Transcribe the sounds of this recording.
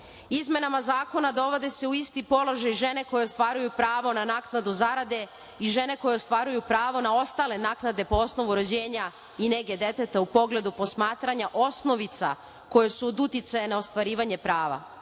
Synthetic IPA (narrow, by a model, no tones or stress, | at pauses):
izme̞namazaːko̞nad̪o̞ʋo̞d̪e̞se̞uist̪ipo̞lo̞ʒajʒe̞ne̞ko̞jeost̪ʋaːɾujupɾaːʋo̞nanaːknad̪uzaɾad̪e̞ | iʒe̞ne̞ko̞jeost̪ʋaːɾujupɾaːʋo̞nao̞st̪ale̞naːknad̪e̞po̞o̞sno̞ʋuɾo̞d͡ʑe̞ːɲa | ine̞ɡe̞d̪e̞t̪et̪aupo̞ɡle̞d̪upo̞smaːt̪ɾaɲaʔo̞sno̞ʋit̪sa̰ | ko̞jesuod̪ut̪jɪt̪sajenao̞st̪ʋaɾiːʋaɲe̞pɾaːʋa̰